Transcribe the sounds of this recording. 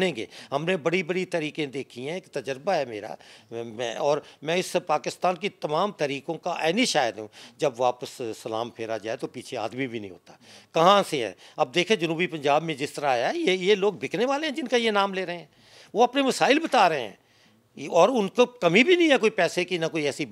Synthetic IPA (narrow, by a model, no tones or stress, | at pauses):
nẽːɡḛːɦɐmnebɐɽibɐɽit̪ɐɾiːkẽd̪eːkʰiɦɛ̃ːkt̪ɐd͡ʒəɾbaɦɛmḛːɾa̰mɛ̰̃ːɔːɾmɛ̃ːɪspaːkɪst̪aːnk̬it̪ɐmaːmt̪ɐɾiːkõkaʔɛːniʃaːjəd̪ɦṵ̃d͡ʒɐbʋaːpəssːɐla̰ːmpʰeːɾad͡ʒaːet̪opiːt͡ʃʰea̰ːd̪mibʱinɐɦḭ̃ɦo̰ːt̪a̰kɐɦãseɦɛ̰ːɐb̚d̪eːkʰẽd͡ʒɐnuːbipɐ̃ɲd͡ʒaːbmẽd͡ʒɪst̪əɾaːjaɦɛjejeloːɡ̚bʱɪkʰneʋaːleɦɛ̃d͡ʒɪnkajenaːmleːɾɐɦẽɦɛ̃ː | ʋoɐpnemɐsaːɪlbɐt̪aːɾəɦeɦɛ̰̃ː | ɔːɾʊnkokɐmibʱinəɦĩɦɛkoːipɛːsekinɐkoːiɛːsi